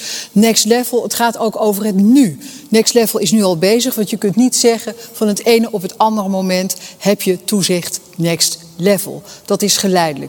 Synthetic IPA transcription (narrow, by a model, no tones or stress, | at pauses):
nɛkstlɛvəlˠətχaːtowkowvərɦətnynɛkstlɛvəlˠɪsnyɑlˠbejzəχʋɑntjəkɵntnitsɛχənv̥ɑnɦətejnəʔɔpɦətɑndərmomɛnthɛpjətuzɪχt | nɛkst | lɛvə̰lˠd̥ɑtɪsχəlɛjdələ̰k